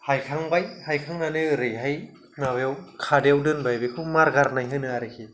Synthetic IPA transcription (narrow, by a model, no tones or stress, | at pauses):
hajkʰaŋbajhajkʰaŋnanɯɯɾɯjɦaj | nawjewkʰadewdɯnbajbekʰɯmaɾɡaɾnajɦɯnɯaɾɯkʰi